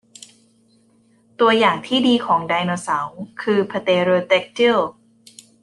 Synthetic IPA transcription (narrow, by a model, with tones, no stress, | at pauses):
t̪u˧ɐjaː˨˩ŋt̪ʰiː˥˩diː˧kʰɔː˩˦ŋdaː˧jnoː˧sa˩˦wkʰɯː˧pʰa˧t̪eː˧ɾoː˧t̪e˦˥k̚t̪ʰi˥˩l